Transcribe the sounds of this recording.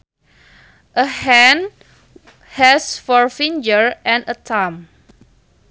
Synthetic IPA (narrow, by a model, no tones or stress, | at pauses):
ʔəhɛ̃n | hɛsfɔɹfĩnd͡ʒəɹʔɛ̃nətʰãm